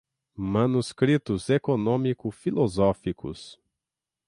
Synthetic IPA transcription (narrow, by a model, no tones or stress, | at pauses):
mɐ̃nuskɾit̪ʊzekonõmikʊfilozɔfikʊ̰s